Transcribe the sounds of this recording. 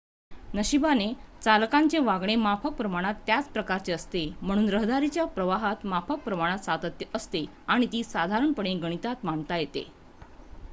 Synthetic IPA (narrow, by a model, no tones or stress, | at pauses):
nəɕibanet͡salkaɲt͡ɕeʋaɡɳ̃emapʰək̚pɾəmaɽ̃at̪ːjat͡spɾəkaɾt͡ɕeəst̪em̤əɽ̃uːnɾəɦd̪aɾit͡ɕjapɾəʋaɦat̪mafək̚pɾəmaɽ̃at̪sat̪ət̪jəəst̪e | aɽ̃it̪iːsad̪ʱaɾəɳpəɳ̃eɡəɽ̃it̪at̪maɳt̪ajet̪ḛ